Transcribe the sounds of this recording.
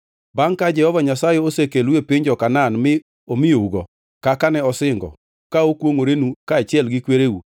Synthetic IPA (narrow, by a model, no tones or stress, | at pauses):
baŋkad͡ʒɛhɔvaɲasajɛosekelwepɪɲd͡ʒɔkananmɪ | omɪjouɡɔ | kakanɛɔsɪŋɡɔ̰ | kaokwoŋoɾenukaːt͡ʃɪɛlɡɪkweɾeu